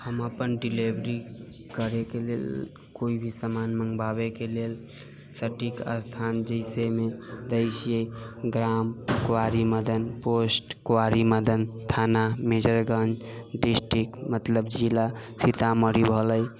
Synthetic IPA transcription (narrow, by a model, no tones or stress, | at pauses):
həməpənɖilebɾi | kəɾekelḛl | koibʱisəmanməŋɡbabekelel | səʈikə̰st̪ʰand͡ʒəɪsemed̪əɪsijeɡɾamkoaɾiməd̪ənposʈkoaɾiməd̪ənt̪ʰanamed͡ʒəɾɡə̃nd͡ʒ | ɖisʈɾikmət̪ləbd͡ʒilasʰit̪aməɾibʱələj